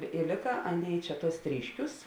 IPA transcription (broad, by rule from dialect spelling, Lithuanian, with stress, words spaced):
ɪ ˈlʲeːkɐ ˈɑːˌnʲeːɪ ˈt͡ʃʲɛ ˈtuɔs ˈtʲrʲiːʃʲˌkʲuːs